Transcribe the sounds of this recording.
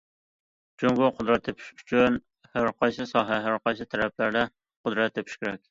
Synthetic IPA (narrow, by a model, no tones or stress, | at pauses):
d͡ʒoŋɡʊqʰʊd̪ɾɛt̪ʰːepʰi̥ʃy̥t͡ʃʰyn | hæɾqʰɑjsɨsɑːɦɛɦæɾqɑjsɨt̪ʰæɾɛp̚læɾd̪ɛ | qʊd̪ɾɛt̪ʰːepʰi̥ʃkʲɪɾɛk̚ʲ